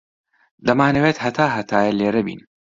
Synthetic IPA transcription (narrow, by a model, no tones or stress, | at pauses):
d̪ɐmaːnɐweːt̪hɐt̪ʰaːɦɐt̪ʰaːjɐleːɾɐbḭːn